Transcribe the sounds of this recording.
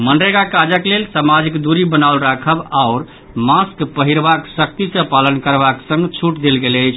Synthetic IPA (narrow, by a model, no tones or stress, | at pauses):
mənɾeɡakad͡ʒəklelsamad͡ʒikd̪uɾibənaulɾakʰəbaʊɾ | maskpəɦiɾbaksək̚t̪isə̃palənkəɾbaksə̃ŋɡt͡ʃʰuʈd̪elɡeləɪt͡ʃʰ